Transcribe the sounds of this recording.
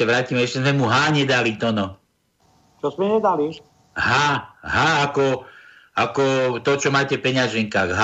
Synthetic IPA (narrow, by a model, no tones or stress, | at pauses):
aʋɾaːcimɛɛʃcɛzmɛmuɦaːɲɛd̪alit̪ɔnɔ | t͡ʃɔzmɛɲɛd̪ali | ɦaːɦaːakɔ | akɔt̪ɔt͡ʃɔmaːcɛfpɛɲɪaʒɛŋkaːɣɦa